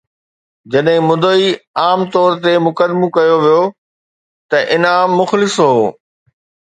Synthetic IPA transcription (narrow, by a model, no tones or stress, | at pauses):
d͡ʑɐɗɦɪ̃mʊd̪oiaːmt̪ɔːɾt̪emʊkəd̪mõkɐjoʋijo | t̪ɐʔɪnaːmːʊxlɪsɦoː